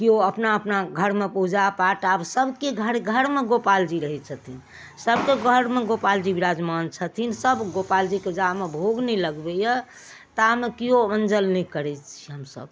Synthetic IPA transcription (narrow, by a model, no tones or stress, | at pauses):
kioəpnaəpnaɡʱəɾmepuɦd͡ʒapaʈabsəbʱkeɡʱəɾɡʱəɾmeɡopald͡ʒiɾəɦɛt͡ʃʰət̪ʰin | səbkeɡʱəɾmeɡopald͡ʒibiɾad͡ʒmant͡ʃʰət̪ʰinsəbɡopald͡ʒiked͡ʒamebʱoɡnɛləɡbɛjə | t̪əamekijoənd͡ʒəlnɛkəɾɛt͡ʃʰiɦəmsə̰b̚